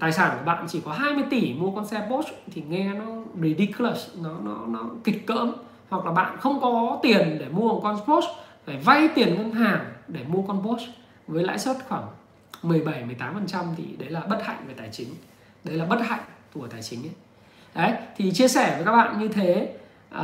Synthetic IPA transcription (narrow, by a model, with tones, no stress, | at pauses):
t̪aː˨˩jsaː˧˩nku˧˩əɓa̰ː˧˨nt͡ɕi˧˩kɔ˨˦ɦaː˧jmɨ˧əjt̪i˧˩mu˧əkɔ˧nsɛ˧po˦˥st̪ʰi˨˩ŋɛ˧nɔ˨˦ɹi˨˧ɗi˧klə˦˩snɔ˨˦nɔ˨˦nɔ˨˦ki˨˩k̟̚kə̰ː˧˥m | hwa˨˩k̚laː˨˩ɓa̰ː˧˨nxə˧wŋ͡mkɔ˨˦t̪i˨˩ənɗe˧˩mu˧əhə˨˩kɔ˧nspo˦˥sfaː˧˩va˧jt̪i˨˩ənŋə˧naː˨˩ŋɗe˧˩mu˧əkɔ˧npo˦˥s | vəː˨˦jla̰ː˧˥jswə˦˥t̚xwaː˧˩ŋ | mɨ˨˩əjɓa˧˩jmɨ˨˩jt̪aː˨˦mfə˨˩nt͡ɕa˧mt̪ʰḭ˨˩ɗə˨˦jlaː˨˩ɓə˦˥t̚ha̰˧˨ŋ̟vəː˨˦jt̪aː˧˩jt͡ɕï˨˦ŋ̟ | ɗə˨˦jlaː˨˩ɓə˦˥t̚ha̰˧˨jŋ̟t̪u˧˩ət̪aː˧˩jt͡ɕï˨˦ŋ̟ə˨˦ | ɗə˨˦jt̪ʰi˨˩t͡ɕi˧əsɛ˧˩və˨˦jka˦˥k̚ɓa̰ː˧˨nɲɨ˧t̪ʰe˨˦ | ʔə˨